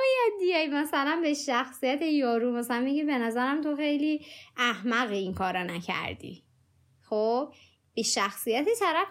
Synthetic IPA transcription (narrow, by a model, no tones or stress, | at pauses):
jæd̪ijæjmæsælænbeʃæxsijæt̪ʰejɒːɾumæsælænmiɟibe̞næzæɾæmt̪ʰoxejliːʔæhmæɣeiŋkʰɒːɾɒnæcʰæ̰ɾd̪ḭː | xob̥ | b̥eʃæxsijæt̪ʰet̪ʰæɾæf